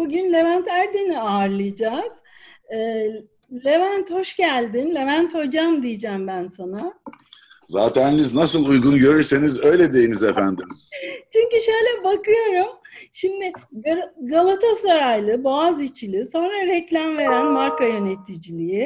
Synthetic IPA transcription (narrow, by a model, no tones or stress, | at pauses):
buɟynlʲe̞vænt̪ʰæɾd̪eniaːɾlˠɯjd͡ʒaːz̥ | ɯː | lʲe̞vænt̪ho̞ʃɟælʲd̪inlʲe̞vænt̪ho̞d͡ʒamd̪ijid͡ʒæmbænsana | zaːt̪ʰæniniznasɯlˠujɡunɟø̞ɾyɾse̞nizø̞jlʲɛd̪e̞jinizefænd̪imt͡ʃʰyɲcyʃø̞jlʲɛbakɯjo̞ɾumʃimd̪ɪɡɡalˠat̪ʰasaɾajlˠɯboazit͡ʃʰilʲiso̞nɾaɾɛclʲæmve̞ɾænmaɾkajø̞net̪ʰːid͡ʒilʲijɪ